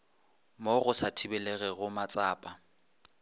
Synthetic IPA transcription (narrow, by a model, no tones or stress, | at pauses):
moɣʊsatʰibɛlɛɣɛɣʊmat͡sʼaːpʼa